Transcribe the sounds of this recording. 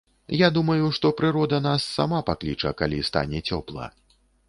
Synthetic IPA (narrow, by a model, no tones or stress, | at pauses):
jad̪umɐjuʂt̪ɔpɾɨɾɔd̪ɐnasːa̰mapaklʲit͡ʂɐ̰kalʲist̪a̰nʲɛt͡sʲɔplˠɐ̰